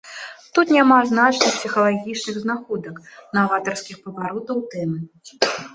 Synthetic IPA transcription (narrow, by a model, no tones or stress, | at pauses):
t̪ut̪nʲamaznat͡ʂnɨxpʲsʲixɐlˠaɣʲit͡ʂnɨɣznaxɔd̪ɐknavat̪ɐrskʲixpɐvaɾɔt̪ɐwt̪ɛmɨ